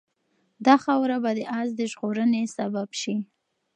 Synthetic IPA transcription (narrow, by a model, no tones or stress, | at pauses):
d̪ɑxawɾabad̪əʔazd̪əʒɣoɾənesababʃi